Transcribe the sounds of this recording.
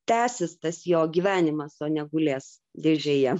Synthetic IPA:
t̪ʲæːsʲɪst̪ɐsjoːɡʲiːʋʲæːnʲɪmɐsoːnʲɛɡʊlʲeːs | d̪ʲeʒʲeːjɛ

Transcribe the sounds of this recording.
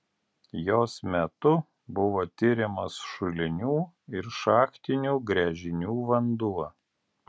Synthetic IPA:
joːsmʲɛt̪ʊ | bʊʋoːt̪ʲɪɾʲɪmɐsʃʊlʲɪnʲuː | ɪɾʃɑːxt̪ʲɪnʲuːɡɾʲɛʒʲɪnʲuːʋɐnd̪uɔ

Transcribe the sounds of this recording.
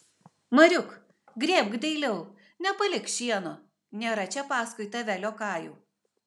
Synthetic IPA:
mɐɾʲʊk | ɡɾʲeːbɡd̪ʲɛɪlʲɛʊ | nʲɛpɐlʲɪkʃʲiɛnoː | nʲeːɾɐt͡ʃʲɛpɑːskʊɪt̪ɐʋʲælʲoːkɑːjṵː

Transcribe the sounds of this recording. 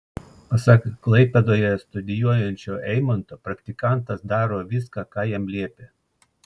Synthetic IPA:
pɐsɐkkːlˠɐɪpʲɛd̪oːjɛst̪ʊd̪ʲɪjuɔjɛnʲt͡ʃʲoːʔɛɪmɐnt̪oːpɾɐkt̪ʲɪkɑˑnˑt̪ɐsd̪ɑːɾoːʋʲɪskɑːkɑːjɛmlʲiɛpʲeː

